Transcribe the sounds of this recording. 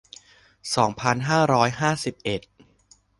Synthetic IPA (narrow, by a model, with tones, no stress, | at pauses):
sɔː˩˦ŋpʰa˧nɦaː˥˩ɾɔː˦˥jɦaː˥˩si˨˩p̚ʔe˨˩t̪̚